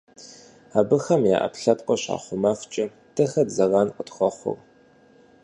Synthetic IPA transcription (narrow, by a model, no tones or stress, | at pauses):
aːbɨxɐmja̰ːʔɐ̰pɬɐpʼqʷʼɔɕa̰ːχʷʊmaft͡ʃʼɐ | tʰɨxɐdzɐrɑnqʼətxʷɔχʷʊ̰r